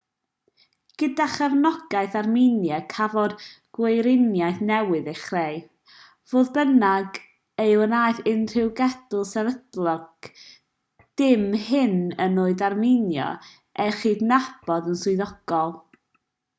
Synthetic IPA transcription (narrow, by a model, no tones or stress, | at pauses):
ɡ̥ədaχavnɔɡ̥ajθarminjɛkʰavɔd | ɡ̥wejɾɪnjajθnɛwɨðejχrej | v̥oːðbənaɡ | ejwənaːjθɪnr̥ɪwɡɛdʊlˠsɛvədlˠɔɡ | d̥ɪmhɪnənoːɨðarminjɔ̰ | ʔɛχiːdnab̥ɔdənsʊɨðɔɡ̥ɔlˠ